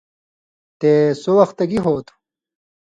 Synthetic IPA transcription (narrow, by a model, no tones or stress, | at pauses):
t̪eːsowɐxt̪ɐɡiɦoːt̪ʰu̥